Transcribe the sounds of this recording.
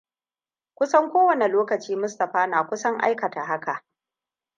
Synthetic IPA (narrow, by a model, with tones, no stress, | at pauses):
kʷʊ˦sɐ˦ŋkʷoː˦wɐ˨ne˨loː˦kɐ˨t͡ʃiː˦mʊ˦stɐ˨ɸaː˦naː˨kʷʊ˦sɐ˦ŋʔa̰˦jkɐ˨ta˨ɦa˦ka˨ʔ